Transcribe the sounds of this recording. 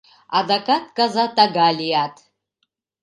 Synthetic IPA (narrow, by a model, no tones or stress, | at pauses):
a̰dakʼat̚ʰʼkʼazatʼaɡalʲijatʰ